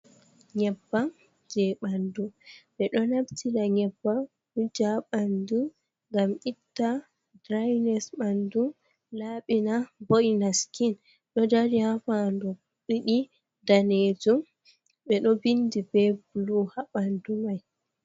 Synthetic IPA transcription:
ɲɛbːa | d͡ʒɛɓanduɓɛɗɔnabtʰilaɲɛbːa | ud͡ʒaɓandu | ŋɡamʔitːa | dɾajnɛsɓandu | laɓinaboʔinaskin | ɗɔdaɾihafandɔ | ɓiɗi | daned͡ʒum | ɓɛɗɔbindibɛbuluhaɓandumaj

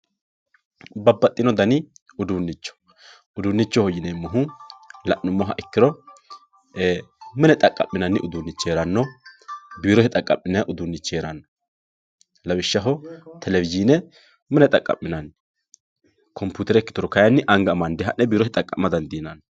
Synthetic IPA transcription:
bɐbːɐt̪ʼːɪnɔd̪ɐnɪ | ʊd̪uːnːɪt͡ʃːɔ̥ | ʊd̪uːnːɪt͡ʃːɔhɔjɪnɛmːɔɦʊlɐʔːʊmːɔɦɐ̰ʔɪkːɪɾɔ | mɛnɛt̪ʼɐkʼːɐ̰pːɪnɐnːɪʔʊd̪uːnːɪt͡ʃːeːɾɐnːɔ | biːɾɔhɛt̪ʼɐkʼːɐ̰pːɪnɛʔʊd̪unːɪt͡ʃːeːɾɐnːɔ | lɐwɪʃːɐɦɔt̪ʰɛlɛvɪziːnɛ | mɛnɛt̪ʼɐkʼɐ̰mːɪnɐn | kʰɔmpjuːt̪ɛɾɛɪkːɪt̪ɔɾɔkɐjɐnːɪʔɐŋɡɐːmɐnd̪ɛɦɐʔːɛbiːɾɔhɛt̪ʼɐkʼːɐmːɐd̪ɐnd̪iːnɐn

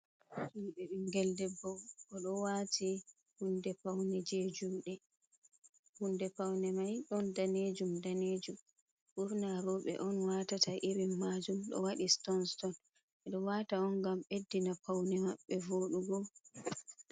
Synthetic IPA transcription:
hiɓɛɓiŋɡɛldɛbɔwkɔɗɔwatʰi | hundɛpawnɛd͡ʒed͡ʒuːɗɛ | hundɛpawnɛmajɗɔndaned͡ʒumdaned͡ʒum | buɾnaɾɔɓɛ̰ʔɔnwatataʔiɾimːad͡ʒumɗɔ̰waɗistɔnstɔn | ɛɗɔwataɔnɡamɓedːinapawnɛmaɓːɛvoɗuɡɔ

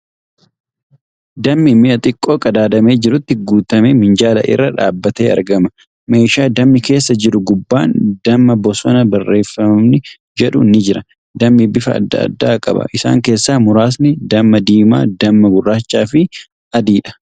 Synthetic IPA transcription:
d̪ɐmːɪmːɪɐt̪ʼɪkʼːo̞ːkʼɐd̪aːd̪ɐme̞ːd͡ʒɪɾʊt̪ːɪɡuːt̪ɐmeːmɪnd͡ʒaːlɐ̰ʔɪ̰rːɐᶑa̰ːbːɐt̪eːɐ̰ɾɡɐmɐ | me̞ːʃaːd̪ɐmːɪke̞ːsːɐd͡ʒɪɾʊɡʊbːaːnd̪̥ɐmːɐbɔsɔnɐbɐrːe̞ːfːɐmɐmnɪ | d͡ʒɛᶑʊnːɪd͡ʒɪɾɐ | d̪ɐmːɪbɪfɐ̰ːd̪ːɐ̰ːd̪ːa̰ːkʼɐ̰bɐ̰ʔɪsa̰ːŋke̞ːsːaːmʊɾaːs̬nɪd̪ɐmːɐd̪iːma̰ːd̪ɐmːɐɡʊrːaːt͡ʃːaːfɪ | ɐd̪iːᶑɐ̥

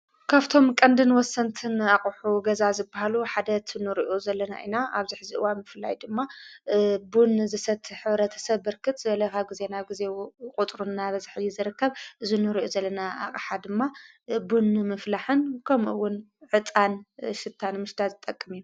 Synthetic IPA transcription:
kʰaβt̪ʰo̞mkʼɐnd̪ɨnwɔsːɐnt̪ʰɨnakʼuħuɡɐzazɨbːahaluħad̪ɐt̪ʰɨnɨɾiʔozɐlːɐna̰ʔḭnaʔaβziħzɨʔɨwanmɨfla̰jd̪ɨmːa | bunzɨsɐt̪ʰːħɨβɾɐt̪ʰɐ̥sɐβːɨɾkɨt̪ʼzɨβɐlɐkʰaβɡize̞naβɡize̞kʼut̪ʼɾunːaβɐzħijizɨɾɨkːɐβʔɨzunɨɾiʔozɐlːɐnaʔa̰qʼħad̪ɨmːa | bunmɨflaħɨnkʰɐmʔɨwːʊn | ʕɨt̪ʼanʃɨt̪ʰːanmɨʃd̪azɨt̪ʼɐkʼːɨmiju

